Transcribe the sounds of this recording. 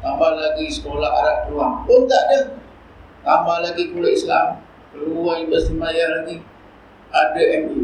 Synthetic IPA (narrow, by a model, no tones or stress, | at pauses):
ŋamalaɡisə̥kolahaɾap̚luaŋpənt̪aʔdə | ŋamalaɡikulaislam | kəluwaibəst̪imajalaɡi | adəʔɛmu